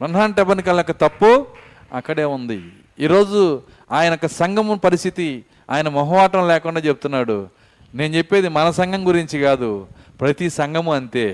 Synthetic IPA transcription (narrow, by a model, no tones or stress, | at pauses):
ɾɐnɦaːnʈɛbɐnikɐːlɐjɔkːɐt̪ɐpːu | ɐ̰kːɐɽe̞ːund̪ḭ | iːɾo̞ːd͡ʒu | aːjɐnɔkːɐsɐŋɡʱɐmupɐɾist̪ʰit̪i | a̰ːjɐnɐmɐɦɐʋaːʈɐmlɛːkuɳɖaːt͡ʃebut̪unːaːɽu | ne̞ːnt͡ʃe̞pːe̞ːd̪imɐnɐsɐŋɡʱɐmɡuɾiɲt͡ʃiɡaːd̪u | pɾɐt̪isɐŋɡɐmuɐnt̪e̞ː